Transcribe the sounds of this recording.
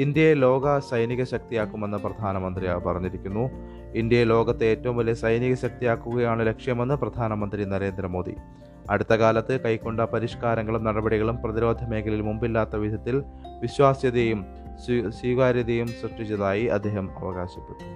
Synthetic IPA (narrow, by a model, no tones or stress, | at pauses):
ind̪jɐjelo̞ːɡɐsɐjniɣɐɕɐk̚t̪ijaːkːume̞nːɨprɐd̪ʱaːnɐmɐnd̪rijaːpɐrɐɲːiɾikʲːunːu | ind̪jɐjelo̞ːɡɐt̪ːeeːtːɐʋumʋɐlːesɐjniɣɐɕɐk̚t̪ijaːkːuɣɐjaːɳɨle̞kʂjɐme̞nːɨprɐd̪ʱaːnɐmɐnd̪rinɐɾe̞ːnd̪ɾɐmo̞ːd̪ḭ | ɐɽut̪ːɐɣaːlɐt̪ːɨkɐjkːo̞ɳɖɐpɐɾiʂkaːɾɐŋɡːɐɭumnɐɽɐbɐɽiɣɐɭumprɐðiɾo̞ːd̪ʱɐme̞ːkɐlilmumbilːaːt̪ːɐʋid̪ʱjɐt̪ːil | ʋiɕwaːsjɐðejum | swiːɣaːɾjɐðejumsuʂʈit͡ɕːiðaːjiɐ̰d̪ʱːe̞ːɦɐmɐ̰ʋɐɣaːɕipːeʈːu